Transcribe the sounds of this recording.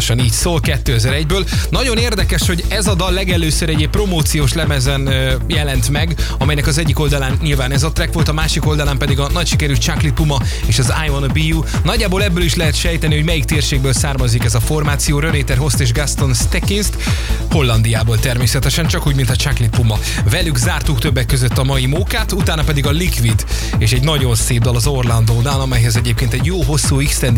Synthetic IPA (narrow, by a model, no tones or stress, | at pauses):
ʃɒniːcsoːlkɛt̪ːøːɛzɛɾɛɟbøːlnɒɟo̞neːrd̪ɛkɛʃho̞ɟɛzɒd̪ɒlːɛɡɛløːsøɾɛɟeːpːro̞moːt̪sijoːʃlɛmɛzɛnjɛlɛnt̪mɛɡ | ɒmɛjnɛkɒzɛɟːiko̞ld̪ɒlaːnɲilvaːnɛzɒt̪rɛkʋo̞lt̪ɒmaːʃiko̞ld̪ɒlaːmpɛd̪iɡɒnɒcʃikɛɾyːt͡ʃaklipːumɒ | eːʃɒzajonbijuː | nɒɟːaːboːlɛbːøːliʃlɛɦɛt̪ʃɛjt̪ɛniho̞ɟmɛjikt̪eːrʃeːɡ̚bøːlsaːrmɒzːikɛzɒfo̞rmaːt̪sijoːɾøneːt̪ɛrɦo̞st̪eːʒɡast̪o̞nst̪ɛkinst̪ho̞lːɒnd̪ijaːboːlt̪ɛrmeːsɛt̪ɛʃɛnt͡ʃɒkuːɟmint̪ɒt͡ʃaklipːumɒ | vɛlyɡzaːrt̪ukt̪øbːɛkːøzøt̪ːɒmɒjimuːkaːt̪ut̪aːnɒpɛd̪iɡɒlikʋid̪ | eːʃɛɟnɒɟo̞nseːvd̪ɒlɒzo̞rlɒnd̪oːnaːlɒmɛjɦɛzɛɟeːp̚keːnt̪ɛɟjoːɦo̞sːuːikst̪ɛnd̪